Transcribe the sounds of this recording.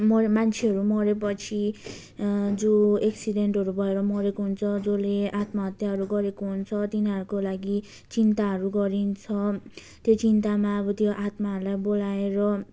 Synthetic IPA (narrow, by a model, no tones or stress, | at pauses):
mʌmant͡sʰeɦʌɾumʌɾepʌt͡sʰi | d͡zoeksiɖeɳʈɦʌɾubʱʌeɾʌmʌɾekoɦunt͡sʰʌd͡zoleat̪maɦʌt̪jaɦʌɾuɡʌɾekoɦunt͡sʰʌt̪inɦʌɾukolaɡi | t͡sint̪aɦʌɾuɡʌɾint͡sʰʌ | t̪jot͡sint̪amaʌbʌt̪joʔat̪maɦʌɾulajbolaeɾʌ